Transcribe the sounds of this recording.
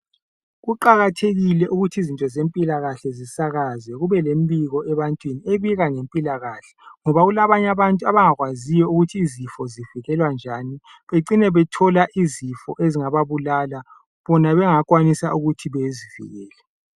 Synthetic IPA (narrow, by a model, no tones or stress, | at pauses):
ɣuǃaɣatʰeɣilɛʔuɣutʰizintʼɔzempʼilaɣaɬɛzisaɣazwɛɣuβɛlembiɣɔɛβantʼwinieβiɣaŋempʼilaɣaɬɛ̥ŋɔβaɣulaβaɲaβantʼuaβaŋaɣwazijɔuɣutʰiːzifɔziviɣɛlwand͡ʒʱani | βeǀinɛβɛtʰɔlaʔizifɔʔeziŋaβaβulala | βɔnaβɛŋakʼwanisaʔuɣutʰiβezivḭɣɛːlɛ